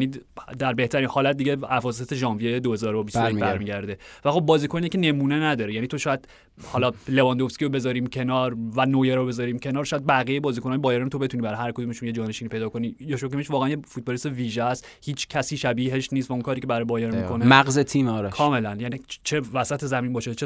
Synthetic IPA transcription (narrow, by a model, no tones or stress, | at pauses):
nid̪æɾbe̞ht̪ʰæɾiːnhɒːlæt̪̚d̪iɟeævɒːs̬eet̪eʒɒːnviejed̪ohe̞zɒːɾobisɾemibæɾmiːɡɟæɾd̪e̞væxo̞b̚ːɒːziːkʰonijekʲcʰene̞muːne̞næd̪ɒːɾejænit̪ʰo̞ʃɔːjæd̪ | hɒlɒlevɒnd̪ofskʲiɾobe̞zɒːɾiːmcʰe̞nɒːɾvænoːjeɾobe̞zɒɾiːmcʰe̞nɒːɾʃɔːjæd̪̚bæɣijejbɒːziːkʰo̞nɒːjebɒːjeɾænot̪ʰo̞be̞t̪unibæɾhæɾkʰo̞d̪umeʃunje̞d͡ʒɒːne̞ʃinipʰe̞jd̪ɒkʰo̞niːjɒʃokʰemiʃvɒːɣæænjefut̪̚bɒlist̪eviːʒeæst̪ | hiːt͡ʃʰcʰæsiːʃæbiːɦeʃnist̪væunkʰɒːɾiːcʰebæɾɛjbɒːjeɾmikʰo̞neæɡzet̪ʰiːmɒːɾekʰɒːme̞lænjænit͡ʃʰevæsæt̪ʰezæmiːnbɒːʃet͡ʃʰe